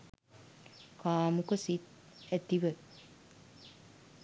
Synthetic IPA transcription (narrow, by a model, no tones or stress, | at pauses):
kaːmukəsit̪̚ | æt̪iʋə